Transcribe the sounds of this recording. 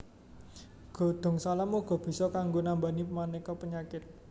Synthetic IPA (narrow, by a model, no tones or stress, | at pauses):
ɡ̥ɔ̤d̪̥ɔ̤ŋsalamoɡ̥ɔ̤b̥i̤sɔkaŋɡonambanimanekɔpəɲakɪt̪̚